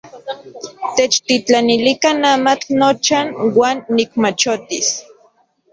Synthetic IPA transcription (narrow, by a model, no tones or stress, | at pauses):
t̪et͡ʃt̪it͡ɬanilikanamat͡ɬnot͡ʃanwaːnːikmat͡ʃot̪is